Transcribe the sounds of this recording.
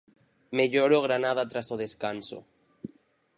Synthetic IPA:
meʎoɾoɣ̞ɾanað̞at̪ɾasoðeskanso̰

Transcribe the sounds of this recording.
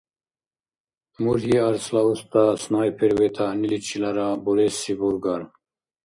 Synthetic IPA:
muɾiaɾslaust̪asnaːjpʰeɾwet̪ʰanilit͡ʃʰilaɾabuɾesibuɾɡan

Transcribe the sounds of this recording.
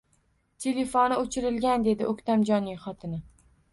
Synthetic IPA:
t̪ʰele̞fonɪot͡ʃʰɪɾɪlɡʲand̪e̞d̪ɪʔokʲt̪ʰamd͡ʒɒnːɪŋχɒt̪ʰɪnɪ

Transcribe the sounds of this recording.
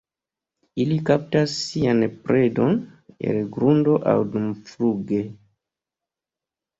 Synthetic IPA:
ilikap̚tasːianpɾʔedo̞ne̞̰lɡɾundo̞ʔa̰wdumfluɡe̞

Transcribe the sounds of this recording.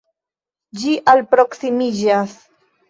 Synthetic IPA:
d͡ʒiʔalpɾo̞ksimid͡ʒas

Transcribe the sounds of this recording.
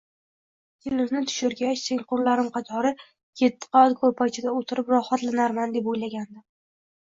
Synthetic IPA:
kʲʰɪlɪmnɪt̪ʰʊ̥ʃɪɾɡʲat͡ʃseŋʲqʊɾlaɾɪmqʰɑt̪ʰɒɾɪ | kʲʰet̪ʰːɪ̥qʰɑd̪kʰopʰat͡ʃʰɪd̪aot̪ʰɪɾɪpɾɒhat̪lɪnaɾmand̪epojlaɡʲand̪ɪ

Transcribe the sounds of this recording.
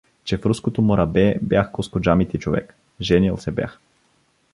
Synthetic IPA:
t͡ʃɛfɾuskot̪omoɾɐbɛbjaxɡoskod͡ʒamit̪it͡ʃovɛ̰k | ʒɛniɛlˠsɛbʲja̰x

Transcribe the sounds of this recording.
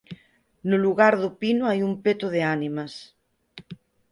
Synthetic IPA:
nuluɣaɾðupinuajumpet̪oðeanimɐs

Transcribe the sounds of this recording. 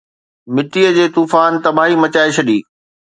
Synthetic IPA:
mɪʈiːəd͡ʑeːt̪uːfaːnt̪ɐbʱaːɦimɐt͡ɕaːeɕʰɐɗiː

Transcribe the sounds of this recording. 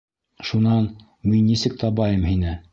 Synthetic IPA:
ʃunɑn | minːisɘk̚t̪ʰɑbɑjɤmɦinɘ

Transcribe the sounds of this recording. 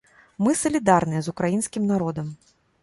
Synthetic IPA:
mɨsɐlʲid̪arnɨjɛzukɾajinsʲkʲimnaɾɔd̪ɐm

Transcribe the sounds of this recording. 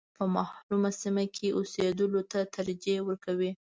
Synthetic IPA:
pəmɑhɾumasimakʰeʔosed̪əlot̪at̪aɾd͡ʒewəɾkawi

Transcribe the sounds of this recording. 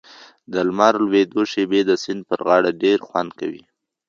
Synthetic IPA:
d̪əlmɑɾlwed̪oʃebed̪əsɪnd̪̚pəɾɣɑɽaɖeɾxwand̪ka̰wḭ

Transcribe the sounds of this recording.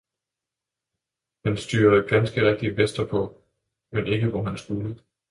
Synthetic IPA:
hænsd̥y̰ːɐəɡ̥ænsɡ̥əʁɛɡ̥̚d̥iəʋesd̥ɐpʰɒ̽ | mene̝ɡ̥əʋɒɦænsɡ̥ulə

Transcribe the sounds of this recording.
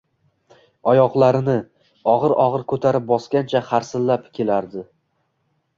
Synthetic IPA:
ɒjɒqlˠaɾɪnɪ | ɒʁɨɾɒʁɨɾkʰɵt̪ʰaɾɪp̚bɒskʲant͡ʃʰaχaɾsɪlːapkʲʰe̞laɾd̪ɪ

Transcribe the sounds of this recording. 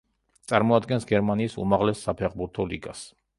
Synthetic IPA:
tt̪sʼaɾmɔad̪ɡɛnsɡɛɾmaniːsṵmaʁlɛsːapʰɛχbuɾt̪ʰɔlḭɡas

